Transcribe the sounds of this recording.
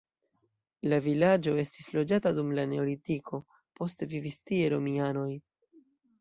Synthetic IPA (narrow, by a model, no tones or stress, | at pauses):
lavilad͡ʒo̞e̞stislo̞d͡ʒatadumlane̞o̞litikʰo̞ | po̞stevivistie̞ɾo̞miano̞j